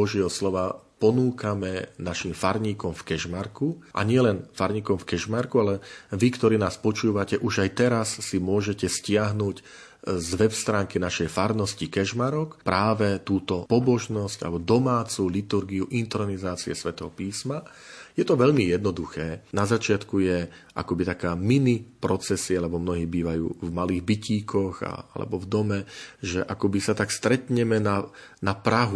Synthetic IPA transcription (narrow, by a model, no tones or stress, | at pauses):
ɔʒɪɛɦɔslɔʋapɔnuːkamɛnaʃimfaɾɲiːkɔmfkɛʒmaɾkuʔa̰ɲɪɛlɛnfaɾɲiːkɔmfkɛʒmaɾkualɛʋikt̪ɔɾiːnaːspɔt͡ʃuːʋacɛʔuʒajt̪ɛɾasːimʊɔʒɛcɛscɪaɦnuːc | zʋɛpst̪ɾaːŋkinaʃɛjfaɾnɔscikɛʒmaɾɔkpɾʔaːʋɛt̪uːt̪ɔpɔbɔʒnɔsca̰lɛbɔd̪ɔmaːt͡sulit̪uɾɡiuʔint̪ɾɔnizaːt͡siɛsʋɛt̪ɛɦɔpiːsmajɛt̪ɔʋɛʎmijɛd̪nɔd̪uxɛːnazat͡ʃɪat̪kujɛʔa̰kɔbit̪akaːminipɾɔt͡sɛsialɛbɔmnɔɦiːbiːʋajṵːvmaliːɣbiciːkʰɔɣa̰alɛ̰bɔvd̪ɔmɛʒɛʔakɔbisat̪akst̪ɾɛt̪ɲɛmɛna | napɾaɦu